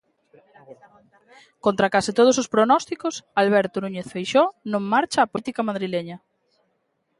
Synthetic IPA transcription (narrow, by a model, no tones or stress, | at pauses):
kont̪ɾakasit̪oð̞osospɾonɔst̪ikosalβɛɾt̪onuɲeθfejʃonõŋmaɾt͡ʃaːpoit̪ikamaðɾileɲɐ